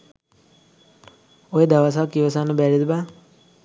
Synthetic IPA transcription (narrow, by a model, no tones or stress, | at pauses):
ojed̪aʋas̬akiʋəsanəbæɾid̪ba